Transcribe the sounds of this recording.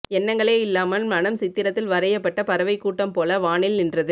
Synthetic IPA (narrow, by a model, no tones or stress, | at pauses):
ɛnːɐŋɡɐɭeːɪlːaːmɐlmɐnɐmsɪt̪ːɪɾɐt̪ːɪlʋɐɾɐjɐpːɐʈːɐpɐɾɐʋɐɪkːuːʈːɐmpoːlɐʋaːɳɪlnɪndrɐðɯ